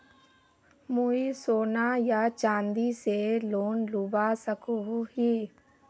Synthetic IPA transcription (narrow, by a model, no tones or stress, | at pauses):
muːisoːnajat͡ʃãːnd̪iseloːnlubasəkoɦiː